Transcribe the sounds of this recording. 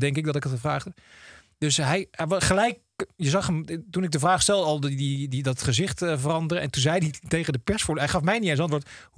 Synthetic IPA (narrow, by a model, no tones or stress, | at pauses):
dɛŋkɪk̚dɔtɪkətχəvra̰ːχə | d̥ɵsɦɛjχəlɛjk | jəzɑχəmtunɪɡ̚dəvraːχstɛlˠdɔlˠddididɔtχəzɪχtvərɑndərəɛ̰̃ntunzɛjditejχədəpɛsfʊːɹdɦɛjχɑfmɛjniensɑ̃ntʋoːɹt